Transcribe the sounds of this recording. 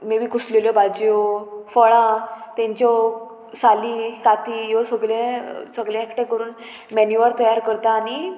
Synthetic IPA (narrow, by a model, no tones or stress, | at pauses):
meʋiːkusleljɔbad͡ʑjɔfəɭãt̪ɛ̃ɲt͡ɕɔ | salikat̪iːjɔsəɡɭẽsəɡljãekʈẽkəɾuːn | mɛnjuʋaɾt̪əjaɾkəɾt̪aːñi